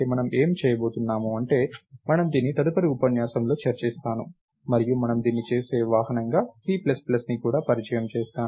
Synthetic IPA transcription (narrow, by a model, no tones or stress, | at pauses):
emɐnɐme̞ːmt͡ʃɛːjɐbo̞ːt̪unːaːmuɐɳʈe̞ːmɐnɐmd̪iːnːit̪ɐd̪upɐɾiupɐnjaːsɐmlo̞ːt͡ʃɐɾt͡ʃist̪aːnu | mɐɾijumɐnɐmd̪iːnːit͡ʃe̞ːse̞ːʋaːɦɐnɐŋɡaːsiːplɐsplɐsnikuːɽaːpɐɾit͡ʃɐjɐmt͡ʃɛːst̪aː